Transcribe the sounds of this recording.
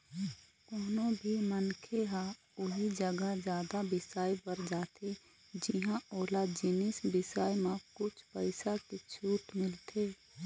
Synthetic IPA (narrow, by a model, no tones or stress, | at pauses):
koːnõbʱimənkʰeɦã | ʊɦid͡ʒəɡəd͡ʒjaːd̪abɪsaːibəɾd͡ʒaːt̪e | d͡ʒiɦãoːlad͡ʒɪnɪsbɪsaːjmãkʊt͡ʃʰpəɪsaket͡ʃʰuːt̪mɪlt̪ʰeː